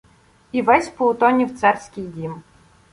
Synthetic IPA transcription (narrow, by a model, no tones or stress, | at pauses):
iʋɛsʲpɔʊt̪ɔnʲiwt̪sɛrsʲkʲɪjdʲim